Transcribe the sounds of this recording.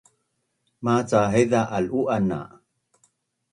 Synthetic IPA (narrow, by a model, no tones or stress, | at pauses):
mat͡saɦeðaʔaluʔana̰